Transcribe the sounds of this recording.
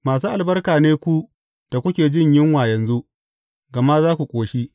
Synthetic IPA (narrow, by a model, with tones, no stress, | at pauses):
maː˨s̬uː˦ʔa˨lbɐ˦rkaː˨neː˦kʷu˦ | d̥a˨kʷʊ˦kʲeː˨d͡ʒɪ˦˨ɲjɪ˦ŋwaː˨jɐ˨nzu˦ʔ | ɡɐ˨ma˦zaː˦kʷu˨kʷʼoː˨ʃi˦